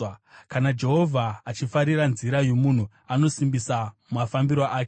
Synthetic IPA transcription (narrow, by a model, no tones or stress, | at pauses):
kanad͡ʒe̞ɦo̞vʱaːt͡ʃifaɾiɾanziɾajo̞mun̤u | ano̞simbisammafambiɾaʔaːke